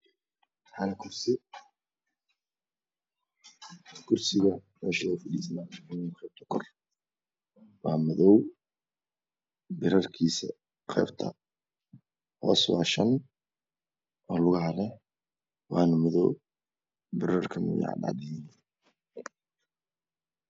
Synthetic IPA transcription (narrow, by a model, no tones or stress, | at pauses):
ħɐnɐkʰʊrsɪ | kʰʊrsɪɣɐmɛ̰ːʃɐɛfɐɖiːsnaːħʊnɪnqɛːb̚t̪ʰɐ̥kʰɔr | wɑːmɔðɔw | bɪɾɐrkʰiːsɐ | qɛ̰ːbt̪ʰɐ̰ | hɔ̰ːswɑ̰ːʃɐn | ʔɔːlʊɣɐɦɐlɛ | wɑːnɐmɔðɔ̰w | bɪɾɐrkʰɐmʊ̰jɑ̰ʕdɑ̰d̪ɛjɪn